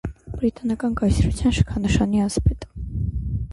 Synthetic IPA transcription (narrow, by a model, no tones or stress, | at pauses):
b̥ɾit̪ʼɑnɑkʼɑnkɑsɾut͡sʰjɑnʃə̥kʰɑnəʃɑniɑspɛt̪ʼə̥